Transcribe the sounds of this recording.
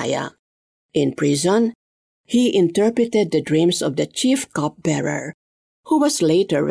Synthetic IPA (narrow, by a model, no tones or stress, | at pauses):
ja̰ | ʔɪ̃npɹizɔ̃n | hiʔɪ̃nt̪ɛɹpɹɨt̪ɛd̪̚ːəd̪ɹĩmsɔvd̪ət͡ʃifkɔp̚bɛɹə̰ɹ | huwɔsleɪt̪əɹ